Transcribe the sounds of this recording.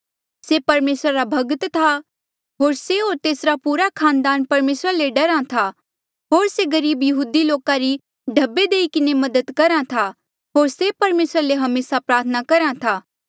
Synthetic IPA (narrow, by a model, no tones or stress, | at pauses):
sepɐɾmeːsɾaɾabʱɐɡət̪t̪ʰa | ɦoːɾseɦoːɾt̪eːsɾapuːɾakʰaːnd̪aːnpɐɾmeːsɾaleɖɐɾãt̪ʰa | ɦoːɾseɡɐɾiːbjɐɦuːd̪iloːkaɾi | ɖʱɐbːed̪eːikɪnemɐd̪əd̪kɐɾãt̪ʰa | ɦoːɾsepɐɾmeːsɾaleɦɐmeːsapɾaːɾt̪ʰənakɐɾãt̪ʰaː